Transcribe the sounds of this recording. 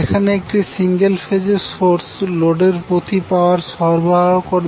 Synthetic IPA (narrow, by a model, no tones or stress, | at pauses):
ekʰaneek̚ʈisiŋɡelfed͡ʑesoɾsloɖeɾpɾot̪ipaoaɾʃɔɾbaokoɾ